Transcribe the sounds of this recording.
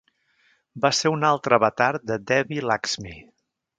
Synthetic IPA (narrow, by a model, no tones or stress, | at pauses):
baseunalˠt̪ɾəβət̪aɾd̪əd̪ɛβilakz̥mi